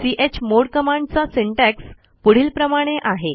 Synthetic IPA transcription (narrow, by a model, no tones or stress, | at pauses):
siʔet͡ɕmoɽkəmaɳɖt͡sasiɳʈæks | puɽ̤iːlpɾəmaɽ̃eʔaɦe